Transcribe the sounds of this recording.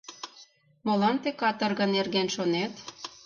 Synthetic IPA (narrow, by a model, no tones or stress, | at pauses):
molɑnt̪ekɑt̪ə̆rɣə̆nerɣenʃonet̪